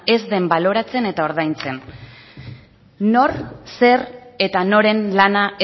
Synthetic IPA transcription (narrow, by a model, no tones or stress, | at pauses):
e̞zðe̞mbalo̞ɾat͡se̞ne̞t̪ao̞ɾð̞ajnt͡se̞n | no̞ɾse̞re̞t̪ano̞ɾe̞nlanaʔe